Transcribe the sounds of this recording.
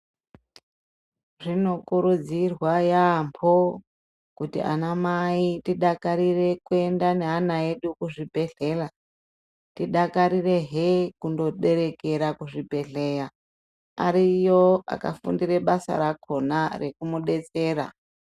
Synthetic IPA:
ʐino̞kuɾud͡zirwajampʰo | kutḭʔa̰namaitiɗakaɾire̞kue̞ndaneɦanae̞ɗukuʐibʱe̞ɬe̞ra | tiɗakaɾire̞ɦekundo̞ɗe̞ɾe̞ke̞ɾakuʐibʱe̞ɮe̞ja | a̰ɾijoa̰ka̰fṵndiɾe̞ɓasa̰ɾakʰo̞nare̞kumuɓe̞t͡se̞ːɾa̰

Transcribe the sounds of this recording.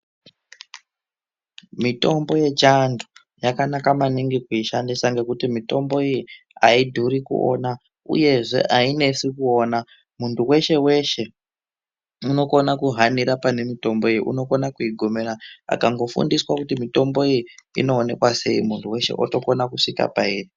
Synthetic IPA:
mito̞mbo̞je̞t͡ʃandʱu̥ | jakanakamaniŋɡikuiʃandisaŋɡe̞kutimito̞mbo̞iji | aidʱuɾikṵo̰na | ṵje̞ʐe̞̰ʔaine̞sikuona | muntʰuwe̞ʃe̞we̞ʃe̞ | uno̞ko̞nakuɦaniɾapane̞mito̞mbo̞ejiʔṵno̞ko̞nakuiɡʱo̞me̞ɾaa̰kaŋɡo̞fṵndiswakutimito̞mbo̞ijiḭno̞ːne̞kwase̞̰ḭmuntʰuwe̞ʃḛʔo̰to̞konakuʂika̰paeːri

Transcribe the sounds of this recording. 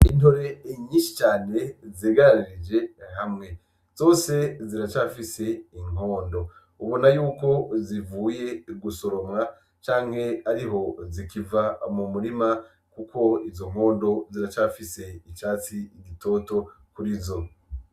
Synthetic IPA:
inoɾe̞ɲiːʃi̥t͡ʃaːne̞zeːɡaɾaɾiɾid͡ʒe̞ɦamŋe̞ | z̥o̞ːse̞ziɾat͡ʃaːfise̞iŋ̥o̞ːndo̞ | uβo̞najuːko̞zivuːje̞ɡuso̞ɾo̞mŋa | t͡ʃaːŋ̥he̞aɾiɦo̞zikivamumuɾima | kukʰo̞izo̞ŋ̥o̞ːndo̞ziɾat͡ʃafise̞it͡ʃaːt͡siɡitʰo̞ːto̞ | kuɾizo̞

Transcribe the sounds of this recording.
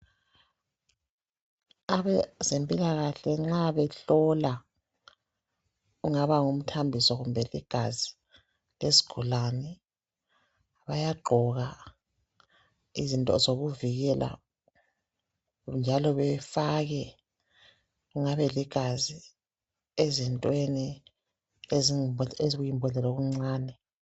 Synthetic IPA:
aβɛzempʼilaɣaɬɛŋ͡ǁaβɛɬɔla | uŋaβaŋum̩tʰambʱisɔɣumbʱɛliɡ̥ʱazi | lezi̥ɡ̥ʱɔlanɛ | βajaɡ͡ǃʱɔɣa | izintʼɔ̰zoɣuviɣɛlʔa̰ | nd͡ʒʱalɔβɛfaɣɛ | ɣuŋaβɛliɡ̥ʱazi | ezintʼweni | ezeziɣujimbʱɔlɛlɔɣuŋ͡ǀaːnɛ

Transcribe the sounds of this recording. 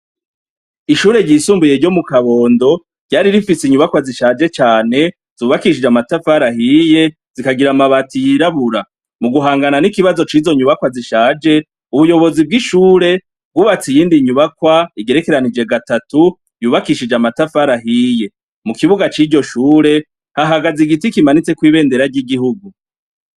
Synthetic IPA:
iʃuːɾe̞ɟisuːmbujeɾɟo̞mukaβo̞ːndo̞ | ɟ̥aːɾiɾifisiɲuβakwaziʃaːd͡ʒe̞t͡ʃaːne̞ | z̥uːβakiʃid͡ʒamatafaɾaɦije̞ | z̥ikaɡiɾamaβatijiɾaβuɾa | muɡuɦaːŋɡananikiβazo̞t͡ʃiːzo̞ɲuβakwaziʃaːd͡ʒe̞ | uβujo̞βo̞zib̚ɡiʃuːɾe̞ | bɡuβat͡sijiːndiɲuβakwaiɡe̞ɾe̞ke̞ɾanid͡ʒe̞ɡatatu | juːβakiʃid͡ʒamatafaɾaɦije̞ | mukiβuɡat͡ʃiːɟo̞ʃuːɾe̞ | haɦaɡaziɡitikimanit͡se̞kwiːβe̞ːnde̞ɾaɾɟiɡiɦuɡu

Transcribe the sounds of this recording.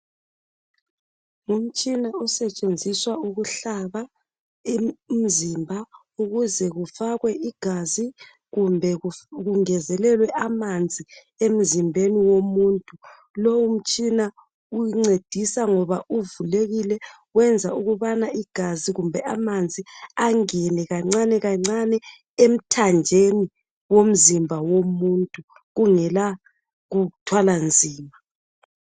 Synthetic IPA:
um̩t͡ʃʼinaɔsɛt͡ʃʼend͡zʱiswauɣuɬaβa | im̩zimbʱa | uɣuzɛɣufaɣwɛʔiɡ̥ʱazi | ɣumbʱɛɣuŋɛzɛlɛlwɛʔamand͡zʱi | em̩zimbʱeniwomuːntʼu | lowum̩t͡ʃʼina | ujiŋ͡ǀed̥ʱisaŋɔβauvuleɣilɛ | wɛnd͡zʱauɣuβanaiɡ̥ʱaziɣumbʱɛʔamand͡zʱiaŋɛnɛɣaŋ͡ǀanɛɣaŋ͡ǀanɛ | em̩tʰand͡ʒʱeni | wom̩zimbʱawomuntʼu | ɣuŋɛla | ɣutʰwaland͡zʱiːma

